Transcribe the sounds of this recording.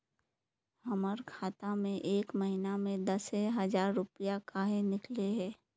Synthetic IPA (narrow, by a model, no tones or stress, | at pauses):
ɦəməɾkʰaːt̪amẽʔeːkməɦinamẽd̪ɐseɦəd͡ʒaːɾːʊpijakaːɦenɪkleɦɛː